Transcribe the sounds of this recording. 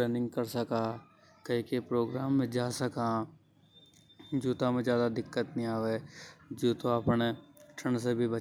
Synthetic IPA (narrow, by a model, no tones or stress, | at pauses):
ɾeːnɪ̃ŋɡkɐɾsɐkaː | kɐɦĩkepɾoːɡɾaːmːẽd͡ʒaːsɐka | d͡ʒuːt̪amẽzjaːd̪ad̪ɪkːət̪nĩaːʋeːd͡ʒoːt̪oapneʈʰəɳsebʱibɐ